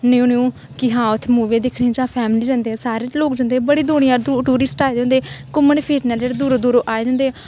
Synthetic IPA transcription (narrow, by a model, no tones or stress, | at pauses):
nːuːniũː | kɪɦãːʊt̪ʰːmuːʋẽːd̪ɪkʰɽẽd͡ʒãːpʰɛːmliːd͡ʒãːnd̪eːɛsaːɾet͡ʃloːkd͡ʒãːnd̪eːɛbəɽiːd̪ʊːɽjãːd̪uʈuːɾɪsʈaːeːd̪eõːnd̪eːkʊmənpʰiːɾnaːld͡ʒeɾd̪uːɾoːd̪uːɾoːʔaːed̪ẽːnd̪eː